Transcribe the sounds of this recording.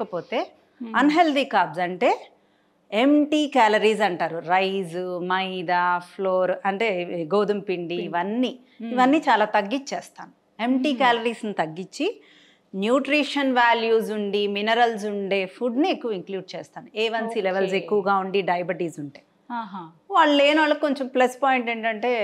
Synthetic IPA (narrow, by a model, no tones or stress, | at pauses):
kɐpo̞ːt̪e̞ː | ɐnɦe̞ld̪iːkaːbsɐɳʈe̞ː | emʈiːkaːlɐɾiːzɐɳʈaːɾuɾɐjzmɐjd̪apʰloːɾɐɳʈe̞ːɡoːd̪umpiɳɖiːʋɐnːiː | ʋɐnːiːt͡ʃaːlaːt̪ɐɡːit͡ʃeːst̪aːnu | e̞mʈiːkaːlɐɾiːsnit̪ɐɡːit͡ʃːi | njuːʈɾiːʂɐnʋaːljuːzuɳɖiminɐɾɐlsuɳɖe̞ːpʰuɖniekːuʋɐiŋkluːɖ̚t͡ʃɛːst̪aːnueːʋɐnsileʋɐlsekːuʋɐɡaːuɳɖiɖɐjɐbiʈiːzuɳʈeː | ɦ | ʋaːɭːeːnaːɭːɐko̞ɲt͡ʃɐmplespɔːjiɳʈeːɳʈɐɳʈe̞ː